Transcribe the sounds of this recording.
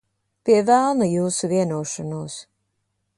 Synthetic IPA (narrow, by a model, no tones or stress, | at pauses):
piɛvælˠnajuːsuviɛnuɔʃanuːs